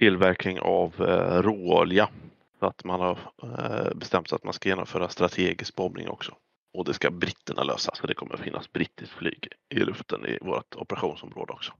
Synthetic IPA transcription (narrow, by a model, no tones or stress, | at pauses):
t̪ʰɪlːvæɾknɪŋavɾoːlɪa | sɔat̪manhaɾ | bɛst̪ɛmt̪sat̪manskajeːnɔmfœːɾast̪ɾat̪ʰeːɡɪsk̚bɔbnɪ̰ŋɔ̰ksɔ | ɔd̪ɛskabɾɪt̪ːəɳaløːsasːɔd̪ɛkʰɔmːəɾfɪnːasbɾɪt̪ʰːɪskflyːɡɪlɵft̪ənɪ̰voːɾat̪ɔpəɾaɧuːnsɔmɾoːd̪əɔksɔ̥